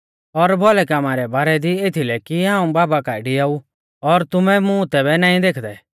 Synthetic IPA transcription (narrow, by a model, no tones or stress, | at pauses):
ɔɾbʱɔlɛkaːmaɾɛbaːɾɛd̪ieːt̪ʰilɛkiɦãːũbaːbakaːiɖiaːu | ɔɾt̪ʊmɛmũt̪ɛβɛnaːĩd̪eːkʰd̪ɛ